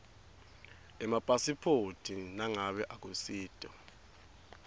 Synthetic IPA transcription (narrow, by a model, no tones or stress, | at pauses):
ɛmapʼasipʰotʰʼinaŋaɓɛʔak̬ʼusiːtʼɔ